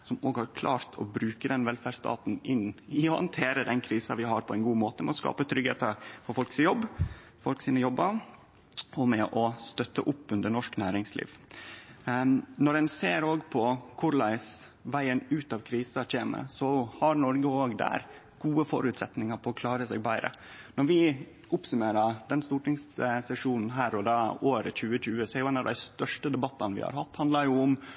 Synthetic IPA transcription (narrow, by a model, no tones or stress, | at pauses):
sɔmoːɡhɑɾkʰlɑːɾt̪ʰɔ̰bɾʉːkəd̪ɛnʋɛlfæɖst̪ɑ̰ːt̪n̩ɪnːɪɔhɑ̰nt̪ʰeːɾəd̪ɛnkʰɾiːsɑʋɪɦɑɾpʰɔɛɪnɡuːmoːt̪əmɛɔskɑ̰ːpət̪ʰɾʏɡeːt̪əɾfɔɾfɔlksjɔbː | fɔlksiːnəjɔbːə | ɔmɛʔɔst̪œt̪ːə̰ʔʊpːʉnd̪əɳɔʂknæːɾɪŋslḭːʋ | nɔɾɛnseːɾoːɡpʰɔkʰʊɾlæɪs | ʋæɪənʉːt̪ɑʋkʰɾiːsəçeːmə̰sɔhɑɾnɔɾɡəoːɡd̪æ̰ːɾ | ɡ̥uːəfɔ̰ɾʉːt̪sɛt̪nɪŋɑɾpʰɔɔkʰlɑːɾəsɛ̰ɡ̚bæɪɾə̰ | nɔɾʋɪ | ʊpsʉmeːɾəd̪ɛnst̪uːʈɪŋssɛʂuːnn̩ɦæːɾɔd̪ɑːoːɾə̰c͡çʉːəçʉːəsɛjʊɛnɑʋd̪æ̰ɪst̪œʂʈəd̪ɛbɑt̪ːɑnʋɪ̰hɑ̰ɾhɑt̪ːhɑnd̪lɑɾjʊʊm